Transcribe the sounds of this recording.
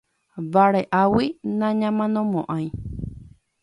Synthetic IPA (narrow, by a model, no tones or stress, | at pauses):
βaɾeʔawinãɲãmãnõmõʔãj̃